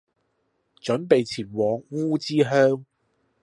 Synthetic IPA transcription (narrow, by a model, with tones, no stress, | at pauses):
t͡ʃɵ˨˥npe˨jt͡sʰiː˨˩nwɔː˨˥ŋwuː˥t͡siː˥ɦœː˥ŋ